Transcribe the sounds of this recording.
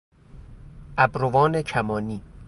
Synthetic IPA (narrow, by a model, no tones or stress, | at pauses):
ʔæbɾovɒːnecʰæmɒːniː